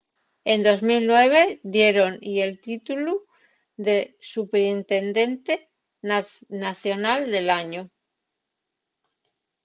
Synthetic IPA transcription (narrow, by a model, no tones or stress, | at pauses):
e̞nd̪o̞zmilnwe̞β̞e̞d̪je̞ɾo̞nie̞lt̪it̪ulu | ðe̞supeɾint̪e̞nd̪e̞nt̪e | naθjo̞nald̪e̞laɲu